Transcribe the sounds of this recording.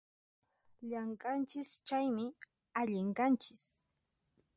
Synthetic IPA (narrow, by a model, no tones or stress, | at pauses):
ʎɑɴkʼant͡ʃɪst͡ʃajmɪ | aʎɪɴkant͡ʃɪ̥s